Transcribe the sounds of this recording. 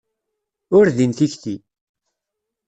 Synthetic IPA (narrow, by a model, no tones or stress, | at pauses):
ʊɾðinθiçθi